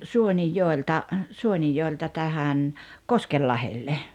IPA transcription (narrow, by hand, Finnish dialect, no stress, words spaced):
suonijːoeltɑ suonijːoeltɑ tæhæn koskelːɑhelːe